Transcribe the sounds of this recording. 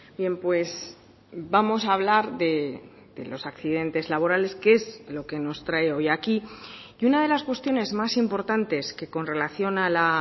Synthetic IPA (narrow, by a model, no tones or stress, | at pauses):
bje̞mpwe̞s | bamo̞saːβlaɾðe̞ | d̪e̞̰lo̞sakθiðe̞nt̪e̞zlaβ̞o̞ɾale̞skee̞zlo̞ke̞no̞st̪ɾaeo̞jaki | junaðe̞laskwe̞st̪jo̞ne̞zmasimpo̞ɾt̪ant̪e̞ske̞ko̞nre̞laθjo̞nala